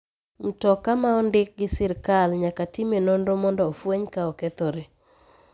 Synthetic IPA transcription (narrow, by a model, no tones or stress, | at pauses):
m̩tɔkamaɔndɪk̚ɡɪsɪɾkalɲakatimenondomɔndɔːfweɲkaɔkɛt̪ɔɾe